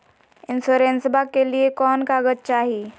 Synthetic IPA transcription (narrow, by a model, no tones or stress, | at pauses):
ɪnsoːɾẽnsəbʱakeliekɔːnkaːɡət̪̚t͡ʃaːɦiː